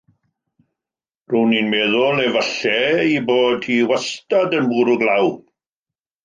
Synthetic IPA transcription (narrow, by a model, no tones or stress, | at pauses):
rʊwninmeːðʊlɛvəɬɛiboːdhiwɛstadənbuːɾʊɡlaw